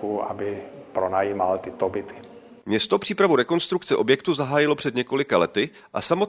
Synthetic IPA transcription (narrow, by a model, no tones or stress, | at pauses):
ua̰bɪpɾonajiːmalt̪ɪt̪obɪt̪ʰɪ̥ | mɲɛst̪opr̥iːpɾavuɾɛko̞nst̪ɾukt͡sɛʔo̞bjɛkt̪uzaɦaːjɪlo̞pr̥ɛd̪ɲɛko̞lɪkalɛt̪ɪ | ʔasamot̪